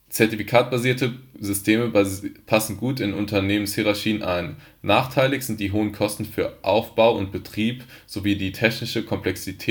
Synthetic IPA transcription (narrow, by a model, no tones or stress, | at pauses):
t͡sɛɐtifikʰaːt̚b̥aziːɐtəzʏstʰeːməpʰasn̩ɡuːtɪnʊntɐneːmənshiʁaɐçiːənʔa̰ɪn | naːχtʰaɪlɪçz̥ɪnt̚d̥iːɦoːənkʰɔstn̩fyːɐʔaʊfb̥aʊʊnt̚b̥ətʁ̥iːp | z̥oviːdiːtʰɛçnɪʃəkʰɔmpʰlɛksitʰː